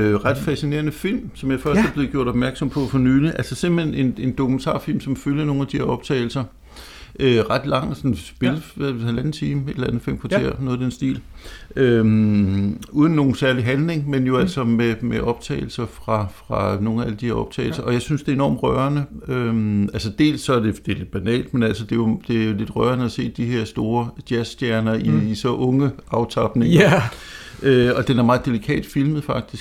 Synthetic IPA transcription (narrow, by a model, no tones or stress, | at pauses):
ʁɑ̈d̥fæsine̝ːɐnəfil̰msɒ̽mjɑ̥̈efɶɐsd̥æɐb̥le̝ðˠɡjo̝ɐ̰d̥ɒ̥mæɐɡ̥sɒ̽mpʰɒ̽fɒ̽nyːliʔæl̰sɒ̽se̝m̰b̥ene̝ne̝nd̥o̝kʰument͡sʰɑ̰̈ːfil̰msɒ̽mføljɐno̝ːn̩æd̥iheɐɒ̽b̥̚t͡sʰɛ̰ːɪl̩sɐ | ʔøʁɑ̈d̥lɑ̈ŋ̰sɒ̽nsb̥e̝ləæhælænð̩ˠt͡sʰiːməe̝d̥elænð̩ˠfilmkʰɑ̈t͡sʰe̝ɐ̰nɔðˠd̥ensd̥ḭːlø | ʔuːð̞ˠn̩ːo̝ːn̩sæɐliɦænle̝ŋmenjo̝æl̰sɒ̽memeʔɒ̽b̥t͡sʰɛ̰ːɪl̩sɐfʁɑ̈fʁɑ̈no̝ːŋnææləd̥iheɐɒ̽b̥̚t͡sʰɛ̰ːɪl̩sɐʔɒ̽jɑ̈ɪsynsd̥e̝e̝nɒ̰ːmʁœɐnəømælsəd̥e̝̰ːlsːɒ̽æɐd̥e̝d̥e̝le̝d̥̚b̥ænɛ̰ːld̥menæl̰səd̥e̝jo̝d̥e̝æjo̝le̝d̥ʁɶːɐnəæse̝̰ːd̥ihe̝ɐ̰sd̥o̝ːɐd̥jæsd̥jæɐnɐiisɒ̽ʔɔ̽ŋəɑ̈ʊt͡sʰɑb̥ne̝ŋ | øɒ̽d̥enæɐmɑ̈ːð̩ˠd̥e̝likʰɛ̰ːd̥filmð̩ˠfɑ̈ɡ̥̚d̥isɡ̥